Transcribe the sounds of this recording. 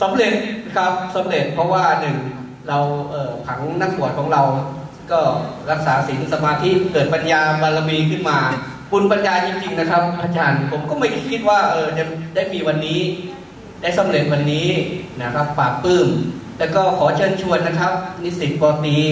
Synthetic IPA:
sa˨˦mle˨˩t̪̚kʰa˦˥p̚sa˨˦mle˨˩t̪̚pʰɔ˦˥waː˥˩nɯ˨˩ŋ | ɾa˧wʔɤː˨˧˩pʰa˩˦ŋna˥˩ŋpu˨˩ət̚kʰɔː˩˦ŋɾa˧wskɔː˥˩ɾa˦˥k̚saː˩˦si˩˦nsa˧maː˧t̪ʰi˦˥kɤː˨˩t̪̚pa˧njaː˧ba˧la˧wiː˧kʰɯ˥˩nmaː˧ | ku˧npa˧njaː˧t͡ɕi˧ŋt͡ɕi˧ŋna˦˥kʰa˦˥p̚ʔaː˧˩t͡ɕaː˧npʰo˩˦mkɔː˥˩ma˥˩jʰkʰi˦˥t̪̚waː˥˩ʔɤː˧t͡ɕa˨˩daː˥˩jmiː˧wa˧nːiː˦˥ | daː˥˩jsa˦mle˨˩t̪̚wa˧nːiː˦˥na˦˥˩kʰa˦˥pːaː˨˩kːɯː˥˩mlɛː˦˥wkɔː˥˩kʰɔː˩˦t͡ɕʰɤː˧˩nt͡ɕʰu˧ənna˦˥kʰa˦˥p̚ni˦˥si˨˩t̪̚pɔː˧˩t̪iː˧

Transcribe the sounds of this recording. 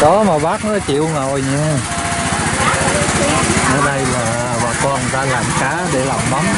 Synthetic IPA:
ɗɔ˨˦maː˨˩ɓaː˦˥k̚nɔ̰˧˦t͡ɕḭ˧˨wŋo˨˩jɲa˧ | nəː˧jɗa˧jlaː˨˩ | ɓaː˨˩kɔ˧˨n˩ŋzaː˧laː˨˩mkaː˨˦ɗe˧˩la̰˨˧˨wŋ͡mma˨˦m

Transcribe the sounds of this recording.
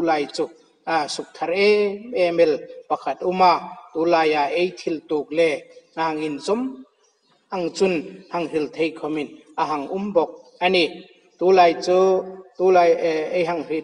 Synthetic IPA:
la˧jt͡su˧ | su˨k̚t̪ʰɐ˧ɾɛ˦ɛ˧mɛ˨lpɐ˧kʰa˨t̪̚u˦ma˧ʔt̪uː˨˦laː˧ja˨ʔe˦jt̪ʰi˨lt̪uː˨k̚lɛ˧˨ŋaɦa˨ŋi˨nt͡sɔ˦m | ʔɐ˧ŋt͡su˧nhɐ˨ŋɦi˨lt̪ʰe˧jkʰɔ˧mi˨n | ʔɐ˧ɦɐ˨ŋʔu˦mbɔ˨k̚ʔɐni˧ | t̪uː˨˦laː˧˨jt͡su˦t̪u˨˦la˧je˧jɦɐ˧ŋhi

